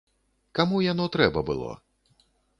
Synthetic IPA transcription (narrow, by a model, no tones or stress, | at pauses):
kamujanɔt̪ɾɛbɐbɨ̰lˠɔ̰